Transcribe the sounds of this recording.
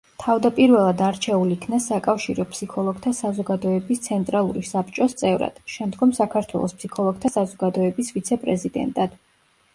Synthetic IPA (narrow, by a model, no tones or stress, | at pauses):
t̪ʰavd̪apʼiɾvɛlˠad̪aɾt͡ʃʰɛulikʰnasakʼafʃiɾɔpʰsikʰɔlˠɔɡ̥t̪ʰasazɔɡad̪ɔɛbist̪sʰɛnt̪ʼɾalˠuɾisapʰt͡ʃʼɔst̪sʼɛvɾa̰d̪̥ʃɛmd̪ɡɔmsakʰaɾt̪ʰwɛ̰lˠɔ̰spsikʰɔlˠɔɡ̥̚t̪ʰasazɔɡad̪ɔɛbisvit̪sʰɛpʼɾɛzid̪ɛ̰nt̪ʼad̪̥